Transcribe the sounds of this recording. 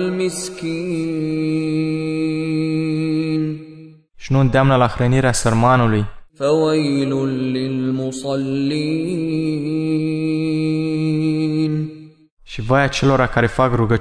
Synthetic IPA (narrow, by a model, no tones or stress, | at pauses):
lmɪskiː | n | ʃnund̪amnalaxɾeniɾasɪɾmɑːnulifawajlʊnlɪlmʊsˤɑlːiː | n | ʃivaːjat͡ʃɪloɾakaɾifaɡɾuɡa